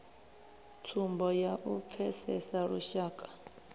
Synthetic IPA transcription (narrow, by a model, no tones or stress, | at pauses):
tʰumbɔjaʔup̪fʰɛsɛsaɺuʃaːkʼḁ